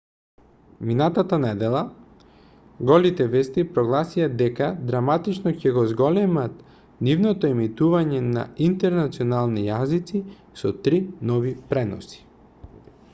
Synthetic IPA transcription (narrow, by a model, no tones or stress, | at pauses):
minat̪at̪anɛd̪ɛlˠa | ɡɔlit̪ɛvɛst̪ipɾɔɡlˠasijad̪ɛkad̪ɾamat̪it͡ʃnɔcɛɡozɡɔlɛmat̪ | nivnɔt̪ɔɛmit̪uvaɲɛna̰int̪ɛɾnat̪siɔnalˠnijazit̪si | sɔt̪ɾinɔvipɾɛnɔ̰si̥